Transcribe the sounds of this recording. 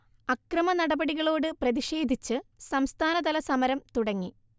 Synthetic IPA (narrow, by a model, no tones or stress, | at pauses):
ɐkrɐmɐnɐɽɐbɐɽiɣɐɭo̞ːɽɨprɐðiʂe̞ːd̪ʱit͡ɕːɨsɐmst̪ʰaːnɐd̪ɐlɐsɐmɐɾɐmt̪uɽɐŋːi